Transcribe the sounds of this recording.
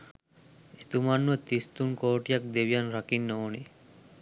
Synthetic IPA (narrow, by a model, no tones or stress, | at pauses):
et̪umanmət̪ist̪uŋkoːʈijak̚d̪eʋijanɾakinːooni